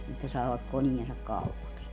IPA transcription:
etːæ sɑːʋɑk koniensɑk kɑupɑks

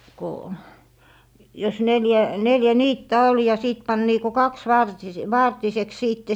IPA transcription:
ko jos neljæ neljæ niːtːæ ol jɑ siˑt pɑn niːko kɑksʋɑrtise ʋɑrtiseks siːtːe

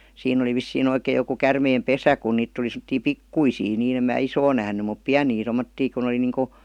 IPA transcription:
siːnː oli ʋisːiːn oikej̆ joku kærmeːm pesæ ku niːt tuli semə̆tːiː pikːuisiː niː em mæː isoː næhny mup piæniː tomːotːiː kun oli niːŋku

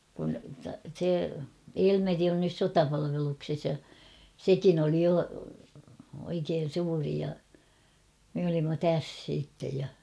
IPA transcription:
kun̞ se elmeri on nys sotɑpɑlɑʋelukses jɑ sekin oli jo oikeːn̞ suːri jɑ me olimːɑ tæs siːtːej jɑ

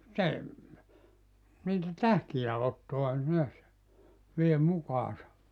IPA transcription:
se niːtæ tæhkiæ otːoɑ neæs ʋie mukɑːsɑ

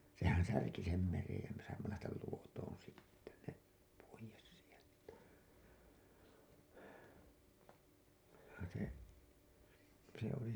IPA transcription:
sehæn særki sem merej jæ me sɑimːɑ læhtæl luotoːn sitːe ne poijes sieltæ se se oli

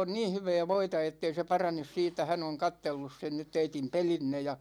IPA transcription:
on niːn̞ hyʋɛː ʋoitɑ etːei se pɑrɑnes siːtˑæ hæn oŋ kɑtːelːus sen nyt teitim pelinːe jɑ

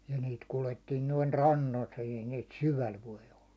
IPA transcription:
jɑ niːt kuletːiːn noin rɑnːolt ei niːt syʋæl ʋoi olːɑ

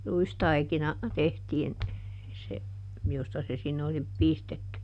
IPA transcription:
ruistɑikinɑ tehtiːn se jostɑ se sinːe oli pistetːy

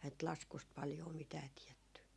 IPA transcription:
nt lɑskust pɑljoː mitæː tiɛtːy

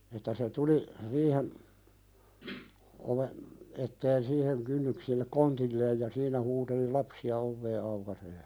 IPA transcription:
etːæ se tuli riːhen oʋen etːeːn siːheŋ kynːyksilːek kontilːeːj jɑ siːnæ huːteli lɑpsiɑ oʋːeː ɑukɑseː

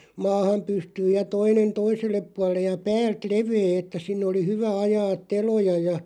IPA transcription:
mɑːhɑm pystyːj jɑ toinen toiselːep puɑlːej jɑ pæːlt leʋeː etːæ sinːĕ oli hyʋæ ɑjɑːt̆ telojɑ jɑ

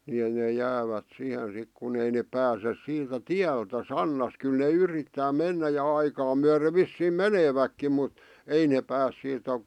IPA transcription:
ni ne jæːʋæt sihen sik kun ei nep pæːses siːtæ tiæltæ sɑnːɑs kyl ne yritːæː menːæ jɑ ɑikɑː myære ʋisːiːm̆ meneːʋækːim mut ei neːp pæːs siːtæ

